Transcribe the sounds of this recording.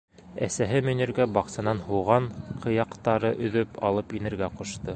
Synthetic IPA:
æ̰sæɦɘmɵ̆nɘ̆ɾɡæbɑqsɑnɑnhuwʁɑɴqʰɤ̆jɑqt̪ɑɾɤʔɵ̆ðɵpʰɑ̰lˠɤpinɘ̆ɾɡæqŏʃt̪ɤ

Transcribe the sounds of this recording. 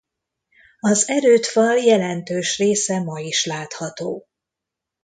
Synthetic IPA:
ɒzɛɾøːt̪fɒljɛlɛnt̪øːʃreːsɛmɒiʃlaːt̪hɒt̪oː

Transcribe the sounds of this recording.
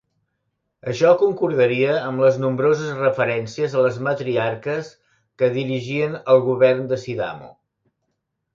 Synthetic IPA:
əʃɔkuŋkuɾðəɾiəːmləznumbɾozəzrəfəɾɛnsiəzələzmət̪ɾiaɾkəs | kəðiɾiʒiənəlˠɣuβɛrnd̪əsiða̰mo̰

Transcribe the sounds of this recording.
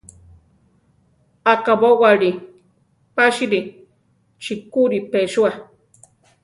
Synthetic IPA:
akabowaɾi | paʃiɾi | t͡ʃikuɾipeʃua

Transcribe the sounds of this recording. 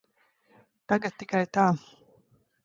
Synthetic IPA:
t̪aɡat̪̚ːikajt̪aː

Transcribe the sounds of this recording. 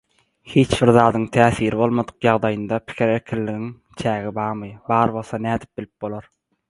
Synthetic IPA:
hiːt͡ʃbiɾðɑːd̪ɯŋt̪ʰæːθiːɾiβo̞lˠmod̪ɯ̥qjɑʁd̪ɑjɯnd̪ɑpʰi̥kʲʰiɾeɾkʲʰillːiɣiŋ | t͡ʃʰæːɣibɑːʁmɯjbɑːɾβo̞lˠθɑnæːd̪i̥p̚b̥ilʲip̚bo̞lˠoɾ

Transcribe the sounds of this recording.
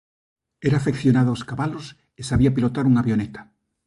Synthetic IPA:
ɛɾafekθjonaðooskaβalos | esaβiapilot̪aɾuŋaβjonɛt̪ḁ

